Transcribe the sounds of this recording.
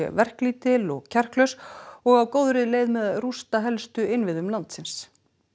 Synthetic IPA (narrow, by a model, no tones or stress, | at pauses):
ɛ̰vɛr̥kliːt̪ɪlɔɣcʰɛr̥klœɥsɔɣawkoːwðɾɪleːjðmɛðrust̪aɦɛlst̪ʏɪnvɪðʏmlant̪sɪns